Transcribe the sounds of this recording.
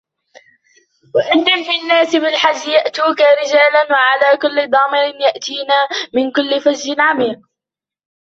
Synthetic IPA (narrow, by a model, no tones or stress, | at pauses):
waʔɪnːamfɪnːaːsɪbɪlħad͡ʒːɪjaʔt̪uːkaɾɪd͡ʒaːlanwaʕalaːkʊlːɪd̪ˤɑːmɪɾɪnjaʔt̪iːnaːmɪnkʊlːɪfad͡ʒːɪnʕamiːq̚